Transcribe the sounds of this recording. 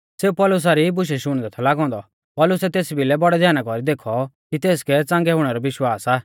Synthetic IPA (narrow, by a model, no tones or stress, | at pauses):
seːupɔlʊs̬aɾibʊʃ̬ɛʃʊɽ̃d̪ɛt̪ʰɔlaːɡɔ̃ːnd̪ɔ | pɔlʊsɛt̪eːsbʱilɛbɔɽɛd̪ʱjaːnakɔɾid̪eːkʰɔkit̪eːskɛt͡sãːŋɡɛɦʊɽ̃ɛɾɔʋɪʃwaːsaː